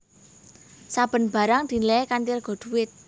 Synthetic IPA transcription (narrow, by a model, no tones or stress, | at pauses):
sab̥ə̤nb̥a̤ɾaŋd̪̥i̤nlɛkantɪrɡ̥ɔ̤d̪̥ṳwɪt̪̚